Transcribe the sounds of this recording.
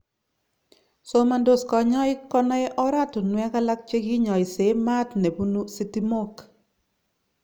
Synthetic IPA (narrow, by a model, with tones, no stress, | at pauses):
so˦ma˨ndo˦skɔ˨ɲɔ˦ɪ˦kɔ˦nɔ˦ɛ˦ʔɔ˦ɾa˦tɔ˨nwɛ˦ka˦la˦k̚t͡ʃe˦ɡi˦ɲɔ˨ɪ˨se˨˦ma˦tne˨bu˦nu˦si˦ti˦mo˦k